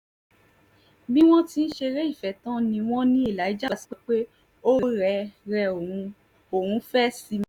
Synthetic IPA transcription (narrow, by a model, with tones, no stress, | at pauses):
bi˦w̃ɔ̃˦ti˦n̩˦ʃe˧ɾe˦i˦˨fɛ˨tã˦nĩ˧w̃ɔ̃˦nĩ˦e˦˨la˨i˦d͡ʒa˦˨ti̥˨˦k͡pe˦k͡pe˦ | o˦ɾɛ˨˧˦ɾɛ˧o˨ũ˧ | o˨hũ˨˧˦fɛ˦si˧m˦